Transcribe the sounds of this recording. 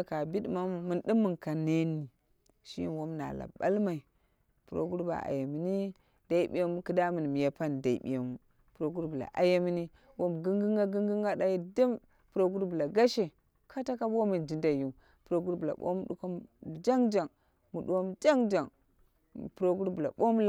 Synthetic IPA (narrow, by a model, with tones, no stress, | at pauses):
ka˨bi˦dma˦m˨mu˨ndi˦mːu˦˨nka˨ne˦ni˨ | ʃi˦jḭ˦nwo˦mna̰˨la̰˨ba̰˦lma˨i˨ | pu˨ɾo̰˦ɡu˦ɾba̰˨a̰˨ja˨mi˨ni˦ | d̥a˨i˦bi˦ja˦mu˦kɨ˦da˦mɨ˨n˨m˨ja˨pa˦n˨da˨ḭ˨bḭ˨ja˨mu˨ | pɾo˨ɡu˦ɾbu˨la̰˨ʔa̰˨ja˦mi˦ni˦ | wo˦m˨ɡi˦ŋɡi˦ŋɡa˦ɡŋɡi˦ŋɡa˦da˦ji˦də˦m | pɾo˦ɡu˦ɾbu˨la˨ɡa˦ʃe˨ | kʰa˦ta˦ka˦bwo˦mi˨nd͡ʒi˨nda˨ju˨ | pu˨ɾo˨ɡu˦ɾbu˨la̰˨ɓo̰˦m˦ɗṵ˦ko˦m˨d͡ʒa˦ŋd͡ʒa˨ŋ | mu˨ɗu˨˦wo˦m˨d͡ʒa˦ŋd͡ʒa˨ŋ˨ | pu˨ɾo˦ɡu˦ɾbu˨la̰˨ɓo˦m˦l